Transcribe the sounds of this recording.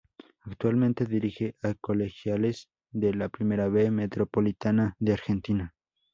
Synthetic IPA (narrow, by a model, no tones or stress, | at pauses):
akt̪walmẽnt̪eðiɾixeʔakolexjales | ðelapɾimeɾaβemet̪ɾopolit̪anaðeaɾxent̪ina